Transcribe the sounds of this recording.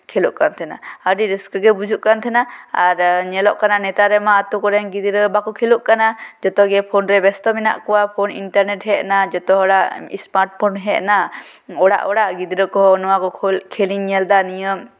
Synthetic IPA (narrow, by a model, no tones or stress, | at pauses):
kʰɛluʔkant̪ʰɛna̰əɖiɾiskəɡɛbud͡ʒuʔkant̪ʰɛnaaɾɲɛlɔʔkananɛt̪aɾɛmaːt̪ukɔɾɛnɡid̪iɾəbakɔkʰɛluʔkanad͡ʒɔt̪ɔɡɛpʰɔnɾɛbɛst̪ɔmina̰ʔkɔwapʰɔnḭnʈaɾnɛʈɦɛʔnad͡ʒɔt̪ɔɦɔɽaʔsmaɾʈ̚pʰɔnɦɛʔna | ɔɽa̰ʔɔɽaʔɡid̪iɾəkɔɦɔnɔwakɔkʰlkʰɛliɲɲɛld̪anijəm